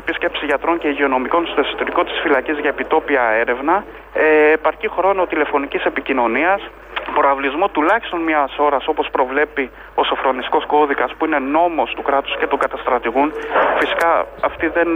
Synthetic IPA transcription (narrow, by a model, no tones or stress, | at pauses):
pisce̞psiʝɐt̪ɾo̞ɲce̞iʝeo̞no̞miko̞nst̪esot̪oɾiko̞t̪i̥sfilɐcizʝɐepit̪o̞piɐe̞ɾe̞vnɐ | eːpɐɾcixɾo̞no̞t̪ile̞fo̞nicise̞picino̞niɐs | pɾoɐvlizmo̞t̪ulɐçi̥st̪o̞nmɲɐso̞ɾɐso̞po̞spɾo̞vle̞pi | o̞so̞fɾo̞nist̪ko̞sko̞ðikɐspuine̞no̞mo̞st̪ukɾɐt̪u̥sce̞t̪uɡɐt̪ɐst̪ɾɐt̪iɣunfisi̥kɐɐft̪iðe̞n